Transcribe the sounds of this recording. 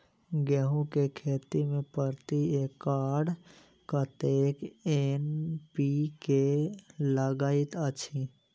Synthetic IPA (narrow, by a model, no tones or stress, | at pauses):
ɡɛːɦũkekʰeːt̪imẽpəɾt̪ieːkːaːɽ | kat̪eːkenpikeləɡaːɪt̪ət͡ʃʰi